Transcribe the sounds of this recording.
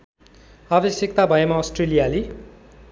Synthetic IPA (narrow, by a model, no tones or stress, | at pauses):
abesekt̪abʱʌjemasʈrelijali